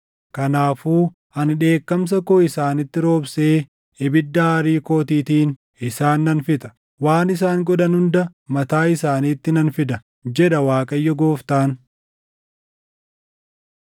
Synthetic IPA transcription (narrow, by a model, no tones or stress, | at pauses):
kɐnaːfuː | ɐnᶑe̞ːkːɐms̬ɐkɔɪsaːnɪt̪ːɪɾo̞ːbseː | ɪbɪd̪ːɐhaɾiːko̞ːt̪iːt̪iːn | ɪsaːnːɐnfɪt̪ʼɐ̥ | waːnɪs̬aːŋɡɔᶑɐnhʊnd̪ɐmɐt̪aːɪsaːniːt̪ːɪnɐnfɪd̪ɐ | d͡ʒɛᶑɐwaːkʼɐjːɔɡoːft̪aːn